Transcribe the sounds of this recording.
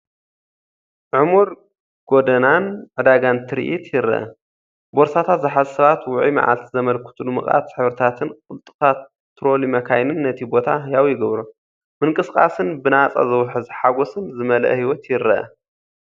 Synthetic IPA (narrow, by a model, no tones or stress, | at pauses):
ʕumuɾ | ɡ̥od̪ɐnanʕɨd̪aɡant̪ʰɨɾḭʔit̪jɪɾːɐ̰ʔɐ̰ | boɾsat̪ʰat̪zɨħazsɐβat̪wʊʕima̰ʕa̰lt̪izɐmɐlkʰu̥t̪ʰulumɨ̰χʼa̰t̪ħɨβɾɨt̪ʰat̪ʰɨnkʼɨlt̪ʼɨ̥t̪ʰa | t̪ʰːɾo̞limɐkʰajnɨnːɐt̪ʰibo̞t̪ʰajawjɪɡɐβɾu | mɨŋkʼɨskʼa̰sɨnbɨnat͡sʼa̰zɐwħɨzħaɡosɨnzɨmɐlɐ̰ʔhiwɔt̪jɪɾːɐ̰ʔɐ̰